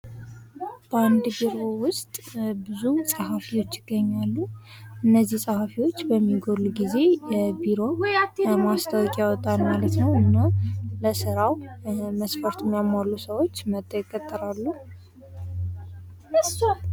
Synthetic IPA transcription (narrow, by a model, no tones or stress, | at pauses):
b̥əand̪biɾo̞wʊst̪ʼbɨzusʼəɦafiwo̞t͡ʃːjɪɡːəɲːalːuʔɨnːəzːihsʼəhafiwot͡ʃːbəmːiɡo̞ɾlːuɡize̞jɛbiɾo̞mast̪ʰəwkʼijawɔt̪ʼalmalət̪nəwɨnːaləsɨɾawməsfəɾt̪ʰumːjamːalːusəwo̞t͡ʃːmət̪ʼːəjɛkʼːət̪ʼːəɾalːu